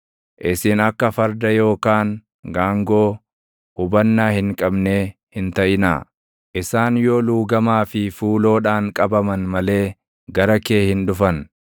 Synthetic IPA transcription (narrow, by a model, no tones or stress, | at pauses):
ʔɪsɪnɐkːɐfɐɾd̪ɐjo̞ːkaːŋ | ɡaːŋɡo̞ː | hʊbɐnːaːhɪŋkʼɐbne̞ː | hɪnt̪ɐʔɪna̰ː | ʔɪsaːnjoːluːɡɐmaːfɪfuːlo̞ːᶑaːŋkʼɐbɐmɐnmɐle̞ː | ɡɐɾɐke̞ːhɪnᶑʊfɐn